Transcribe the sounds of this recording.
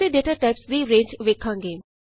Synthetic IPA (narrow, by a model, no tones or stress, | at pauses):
eːɖeːʈaːʈaɪpsd̪iːɾẽːɲd͡ʒʋeːkʰːãːŋɡeː